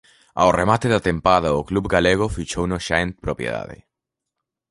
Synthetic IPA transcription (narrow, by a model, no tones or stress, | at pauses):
a̰oremat̪eðat̪empaðaoklubɡaleɣ̞ofit͡ʃownoʃaent̪̚pɾopjḛða̰ðḛ